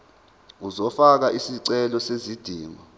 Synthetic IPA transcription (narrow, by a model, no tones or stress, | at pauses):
uzɔfak̬aʔisiǀɛlɔsezid̥ʱiːmɔ